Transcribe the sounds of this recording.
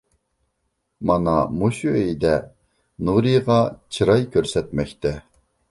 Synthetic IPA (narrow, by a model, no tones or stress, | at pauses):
mɑnɑ̰muʃuejd̪ɛ | nuɾiʁɑt͡ʃʰɨɾɑjkʰʲøɾsɛt̪mɛkʲt̪ʰɛ